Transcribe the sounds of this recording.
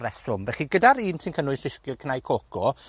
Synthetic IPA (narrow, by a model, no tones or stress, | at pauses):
ɛsʊmvɛχiɡədaɾiːnsʰɪnkʰənʊɨsɪskɪlˠkʰnajkʰokʰɔ